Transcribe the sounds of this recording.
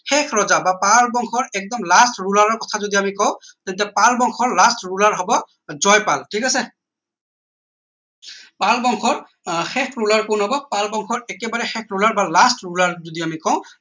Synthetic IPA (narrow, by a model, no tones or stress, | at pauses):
xɛkʰɹɔzabapalbɔŋxʰɔɹɛk̚dɔmlastɹulaɹɔɹkɔtʰazodiamikɔʊ̃tɛnt̬ɛpalbɔŋxʰɔɹlastɹulaɹɦɔbɔ | zɔjpaltʰikasɛ | palbɔŋxʰɔɹ | xɛkʰɹulaɹkʊnɦɔbɔpalbɔŋxʰɔɹɛkɛbaɹɛxɛkʰɹulaɹbalastɹulaɹzodiamikɔʊ̃